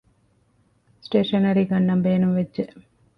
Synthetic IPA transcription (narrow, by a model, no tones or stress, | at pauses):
sʈeːʂɐnɐɾiɡɐnːɐmbeːnumʋedʒe